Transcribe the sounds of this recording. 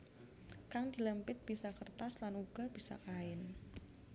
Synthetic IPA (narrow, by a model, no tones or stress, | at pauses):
kaŋdi̤ləmpɪt̪̚b̥isakərt̪aslanuɡ̥a̤b̥isa̰kaɪn